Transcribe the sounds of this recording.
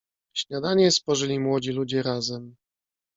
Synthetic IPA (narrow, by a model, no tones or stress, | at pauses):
ɕɲad̪aɲɛspɔʐɘlʲimwɔd͡ʑilud͡ʑɛɾazɛm